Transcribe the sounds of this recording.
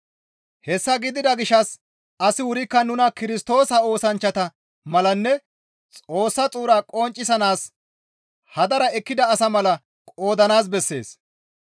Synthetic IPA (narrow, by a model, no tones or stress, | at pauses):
hɛsːɐɡɪd̪ɪd̪ɐɡɪʃːɐs | ɐsɪwʊɾɪkːɐnʊnɐkɪɾɪst̪o̞ːsɐo̞ːsɐnt͡ʃːɐt̪ɐ | mɐlɐnːɛ | t͡sʼo̞ːsːɐt͡sʼuːɾaːkʼɔnt͡ʃʼːɪsɐnaːs | hɐd̪ɐɾɐɛkːɪd̪ɐːsɐmɐlɐ | kʼoːd̪ɐnaːs̬bɛsːe̞̰ːs